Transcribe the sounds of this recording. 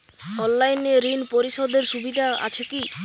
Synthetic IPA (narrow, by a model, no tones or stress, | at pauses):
ɔnlajneɾinpoɾiʃod̪eɾʃubid̪ʱaa̰t͡ɕʰeki